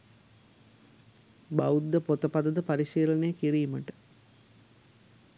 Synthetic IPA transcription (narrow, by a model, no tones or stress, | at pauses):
baud̪ːəpot̪əpad̪əd̪əpaɾiʃiːlənejəkiɾiːməʈə̥